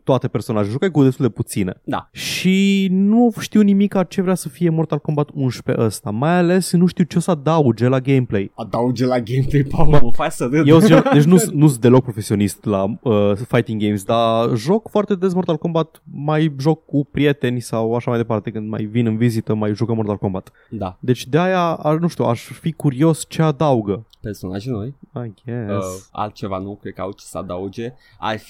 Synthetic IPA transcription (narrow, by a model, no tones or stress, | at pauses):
t̪oat̪e̞pe̞rso̞naʒeʒukajkud̪est̪uld̪eput̪sine̞̰d̪a̰ʃinuʃt̪iwnimikat͡ʃe̞vɾeasəfije̞mo̞rt̪alko̞mbat̪unʃpe̞̰ʔəst̪amajale̞snuʃt̪iwt͡ʃesad̪aud͡ʒe̞laɡejmple̞jad̪aud͡ʒelaɡejmplejpafasəd̪jewsiod̪et͡ʃnunusd̪e̞lo̞k̚pɾofe̞sio̞nist̪laəfajt̪iŋɡe̞jmsd̪aʒo̞kfoart̪e̞d̪e̞s̬mort̪alko̞mbat̪majʒo̞kːupɾie̞t̪e̞nʲsawaʃamajd̪e̞part̪e̞kɨnd̪ma̰jvinɨnvizit̪əmajʒukəmort̪alko̞mbat̪ | d̪ad̪e̞t͡ʃʲd̪eajaanũʃt̪iuʔaʃfikuɾio̞st͡ʃe̞ad̪auɡəpersonaʒinojaɡesa̰lt̪̚t͡ʃe̞vanukɾe̥ka̰wt͡ʃe̥səa̰d̪aud͡ʒe | a̰rf